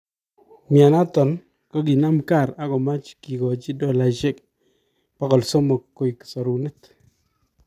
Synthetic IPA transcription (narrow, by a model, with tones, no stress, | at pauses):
mja˨na˦tɔ˨n | kɔ˦k̬i˨na˦mka˦˨ɾa˦kɔ˨ma˦t͡ʃki˨kɔ˨t͡ʃi˦dɔ˦˨la˨t͡ʃe˦k̚ | pa˦kɔ˨lsɔ˦mɔ˨kkːo˦jksɔ˨ɾu˨nɪ˦t